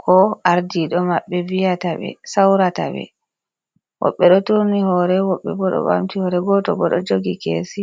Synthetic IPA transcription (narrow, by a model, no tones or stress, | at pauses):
kʰɔʔaɾdiɗɔmaɓːɛvijataɓɛ̰sawɾata̰ɓɛ̰ | wɔ̰ɓːɛɗɔtonihɔɾɛwɔɓːɛbɔɗɔ̰ɓa̰mtihɔɾɛɡɔtɔbɔɗɔ̰d͡ʒoɡikḛsi